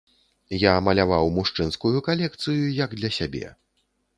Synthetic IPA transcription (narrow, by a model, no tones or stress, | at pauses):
jamɐlʲavawmuʂt͡ʂɨnskujukalʲɛk̚t̪sɨjujɐɡd̪lʲɐsʲabʲɛ̰